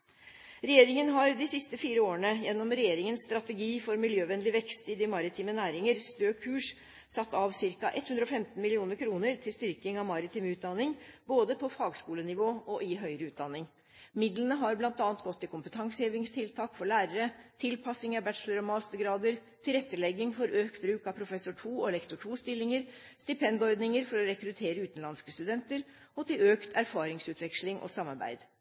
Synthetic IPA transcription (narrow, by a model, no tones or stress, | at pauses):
ɾɛjeːɾɪŋənɦɑɾd̪ɪsɪst̪əfiːɾəoːəɳəjɛnːɔmɾɛjeːɾɪŋənst̪ɾɑt̪əɡiːfɔɾmɪljøːʋɛnlɪʋɛkst̪ɪd̪ɪmɑɾɪt̪ʰiːmənæːɾɪŋəɾst̪øːkʰʉːʂ | sɑt̪ːɑʋsɪɾkɑʔɛt̪hʉnd̪ɾɔfɛmt̪n̩mɪlɪuːnəɾkʰɾuːnəɾt̪ʰɪlst̪ʏɾkɪŋɑʋmɑɾɪt̪ʰiːmʉːt̪̚d̪ɑnːɪŋboːd̪əpʰɔfɑːɡskuːlənɪʋoːɔʔɪɦœʏɾəʉːt̪̚d̪ɑnːɪŋ | mɪd̪lənəɦɑɾblɑnt̪ɑːnt̪ɡɔt̪ʰːɪkʰʊmpət̪ʰɑŋsheːʋɪŋst̪ʰɪlt̪ʰɑːkfɔɭæːɾəɾət̪ʰɪlpʰɑsɪŋɑɾbæʈʂləɾɔmɑːst̪əɾɡɾɑːd̪əɾt̪ʰɪlɾɛt̪ːəlɛɡɪŋfɔɾʔøːk̪bɾʉːkɑpʰɾʊfɛsʊʈʰuːɔɛlɛkt̪ʊʈʰuːst̪ɪlːɪŋəɾst̪ɪpʰɛnd̪ɔɾd̪nɪŋəɾfɔɾɔɾɛkɾʉt̪ʰeːɾəʉːt̪n̩lɑnskəst̪ʉd̪ɛnt̪əɾ | ɔt̪ʰɪløːkt̪ʰæɾfɑːɾɪŋsʉːt̪ʰʋɛkʂlɪŋʔɔ̰sɑmːɑɾbæ̰ɪd̪